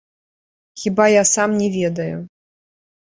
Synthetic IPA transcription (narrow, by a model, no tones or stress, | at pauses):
xʲibajasamnʲɛvʲɛd̪ɐjṵ